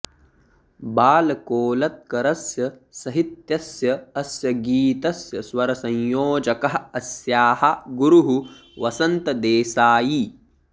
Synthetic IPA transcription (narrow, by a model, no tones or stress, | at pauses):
baːlɐkoːlɐt̪̚kɐɾɐsjɐ | sɐɦit̪jɐsjɐɐsjɐɡiːt̪ɐsjɐswɐɾɐsɐ̃ɲjoːd͡ʒɐkɐɦɐɐsjaːhɐɡuɾuɦu | ʋɐsɐnt̪ɐd̪eːsaːji